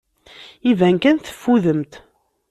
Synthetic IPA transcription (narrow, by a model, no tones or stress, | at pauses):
ivæŋkænθə̥fːuðəmt̪